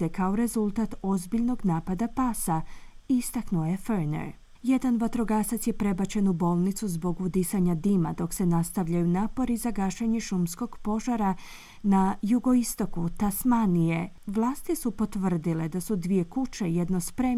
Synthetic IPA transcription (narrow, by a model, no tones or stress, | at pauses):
ekao̞ɾe̞zulˠt̪at̪o̞zbiʎno̞ɡnaːpad̪apaːsaiist̪aknuje̞fəɾnḛɾ | je̞d̪anʋat̪ɾo̞ɡasat̪sje̞pɾe̞bat͡ɕe̞nubo̞ːlˠnit̪suzbo̞ɡud̪isaɲad̪ima̰d̪o̞kse̞nast̪aʋʎajunaːpo̞ɾizaɡaʃeɲeʃumsko̞ɡ̥po̞ʒaɾa | najuɡo̞ist̪o̞kut̪asmanije̞ | ʋlˠaːst̪isupo̞t̪ʋər̩d̪ile̞d̪asud̪ʋije̞kut͡ɕe̞je̞d̪no̞spɾe̞